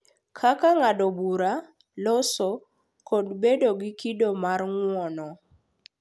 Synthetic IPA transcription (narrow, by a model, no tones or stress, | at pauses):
kʰakaŋadɔbuɾa | lɔsɔ | kɔdbedoɡɪkidomarŋwɔnɔ